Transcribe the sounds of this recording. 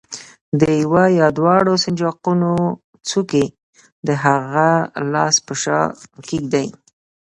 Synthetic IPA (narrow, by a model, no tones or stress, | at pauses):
d̪əjwajɑd̪wɑɽosɪnd͡ʒɑquno | t͡suke | d̪əɦaɣalɑspəʃɑ̰kiɡd̪aj